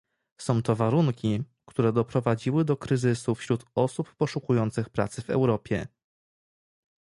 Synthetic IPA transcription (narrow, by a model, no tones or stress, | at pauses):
sɔ̃w̃t̪ɔvaɾuŋkʲi | kt̪uɾɛd̪ɔpɾɔvad͡ʑiwɘd̪ɔkɾɘzɘsufɕɾut̪ɔsupːɔʂukujɔnt̪sɘxpɾa̰t̪sɘvɛ̰wɾɔpʲjɛ̰